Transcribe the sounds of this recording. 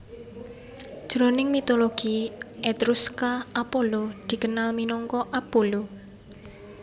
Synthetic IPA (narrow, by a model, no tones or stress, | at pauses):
d̥ʒ̥ɾonɪŋmit̪oloɡ̥iet̪ɾuskaapolod̪̥i̤kənalminɔŋkɔʔapolu